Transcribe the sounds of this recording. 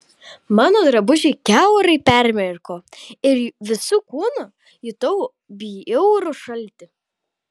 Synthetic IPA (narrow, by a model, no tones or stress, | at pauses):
mɑːnoːd̪ɾɐbʊʒʲɛɪkʲæʊɾɐɪpʲæɾʲmʲɛɾkoːɪɾʋʲɪsukuːnɐ | jʊt̪ɐʊ | bʲiɛʊɾʊʃɐlʲt̪ʲɪ